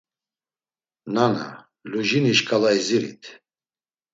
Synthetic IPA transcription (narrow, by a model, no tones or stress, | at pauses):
nana̰ | luʒiniʃkʰʼalaiziɾḭt̪ʰ